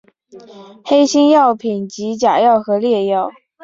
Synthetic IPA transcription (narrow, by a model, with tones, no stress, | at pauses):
xe˥ɪɕi˥njɑ˥˩ʊpʰi˨˩nt͡ɕi˧˥t͡ɕja˨˩jɑ˥˩ʊxɤ˧˥ljɛ˥˧jɑ˥˩ʊ